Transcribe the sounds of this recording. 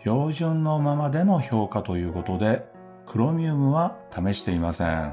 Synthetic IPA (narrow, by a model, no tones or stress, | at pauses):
ço̞ːʑɨ̃nnːo̞mamad̪e̞no̞ço̞ːkat̪o̞jɯ̟ːko̞t̪o̞d̪e̞ | kɯ̟ɾo̞mʲiɯmɯ̟βat̪ame̞ɕi̥t̪e̞imasḛ̃ŋ